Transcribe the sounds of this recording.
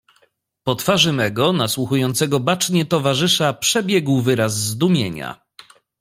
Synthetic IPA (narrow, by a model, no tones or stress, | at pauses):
pɔt̪faʐɘmɛɡɔnaswuxujɔnt̪sɛɡɔbat͡ʂɲɛt̪ɔvaʐɘʂapʂɛbʲjɛɡwvɘɾazːd̪umʲjḛɲa̰